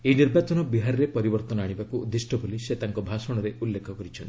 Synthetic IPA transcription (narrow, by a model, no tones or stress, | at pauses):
eniɾbat͡ʃɔnɔbiɦaɾɔɾepɔɾibɔɾt̪ɔnɔaɽ̃ibakuːd̪ːisʈʰɔbʱuliset̪aŋkɔbʱasɔɽ̃ɔɾeʔulːekʰɔkɔɾit͡ʃʰɔn